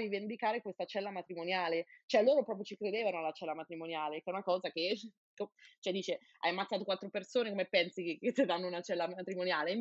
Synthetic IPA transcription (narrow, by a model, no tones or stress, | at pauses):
ɾivend̪ikaːɾekwest̪at͡ʃɛlːamat̪ɾimonjaːlet͡ʃoɛlːoːɾopɾɔpɾjot͡ʃikɾed̪eːvanoalːat͡ʃɛlːamat̪ɾimonjaːlekɛunakɔːzake | kot͡ʃoɛd̪ːiːt͡ʃe | a̰jamːat̪saːt̪okwat̪ːɾopersoːnekomepːɛnsikeket̪ːed̪anːounat͡ʃɛlːamat̪ɾimonjaːle